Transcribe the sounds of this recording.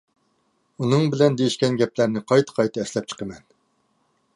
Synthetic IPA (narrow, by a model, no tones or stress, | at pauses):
unɨŋbɪlɛnd̪ejiʃkʲɛnɡʲɛplæɾnɪqʰɑjt̪ʰə̥qʰɑjt̪ʰɨɛslɛp̚t͡ʃʰə̥qʰəmɛn